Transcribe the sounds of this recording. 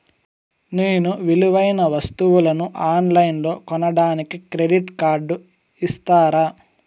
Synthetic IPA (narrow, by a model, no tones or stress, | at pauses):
neːnuʋiluʋɐjnɐʋɐst̪uʋulɐnuʔaːnlɐjnlo̞ːkɔnɐɽaːnikikɾe̞ɖiʈkaːɾɖu | ist̪aːɾaː